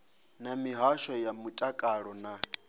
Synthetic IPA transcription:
namiɦaʃɔjamutʼakʼaɺɔna

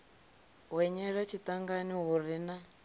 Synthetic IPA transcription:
ɦwɛɲɛɺat͡ʃʰitaŋɡaniɦurina

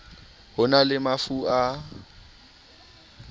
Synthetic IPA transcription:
hʊnalɪmafua

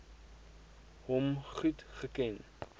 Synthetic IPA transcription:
ɦɔmχutχəkɛn

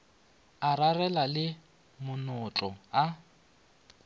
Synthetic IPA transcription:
ararɛlalɪ | mʊnɔt͡ɬʼɔa

